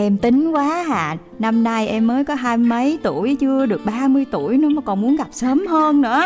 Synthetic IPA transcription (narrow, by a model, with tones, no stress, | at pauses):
ʔɛ˧mt̪ï˨˦ŋ̟kwaː˨˦ɦa̰ː˧˩˨ | na˧mna˧jʔɛ˧mːəː˨˦jkɔ˨˦ɦaː˧jmə˨˦jt̪u˧˩˨əjt͡ɕɨ˧əɗɨ˨˩ək̚ɓaː˧mɨ˧əjt̪u˧˩əjnɨ̰˨˦maː˨˩kɔ˨˩nmu˨˦ənɣa˨˩p̚səː˨˦mhəː˧nnɨ̰˧˥ə